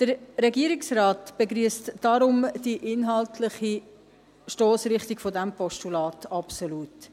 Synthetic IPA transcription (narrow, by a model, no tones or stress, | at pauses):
d̥əɾɾɛɡiəɾɪksraːtb̥eɡɾiəstd̥ɑɾʊmd̥iʔɪnɦɑltlɪχi | ʃtoːsɾɪχtiɡ̥fodæmpɔʃtulɑːtɑpsoluːt